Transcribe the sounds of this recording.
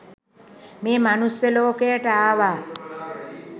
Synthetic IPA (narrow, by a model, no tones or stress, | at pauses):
meːmanusjəloːkeəʈaaːʋa